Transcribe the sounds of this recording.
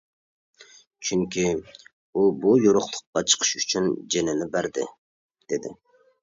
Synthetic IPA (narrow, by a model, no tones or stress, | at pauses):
t͡ʃʰyŋkʲi | ubujoɾʊχlˠʊ̥qːɑt͡ʃʰə̥qʰə̥ʃyt͡ʃʰynd͡ʒenɪnɪbæɾd̪ɪ̰ | d̪̥ed̪ɪ̰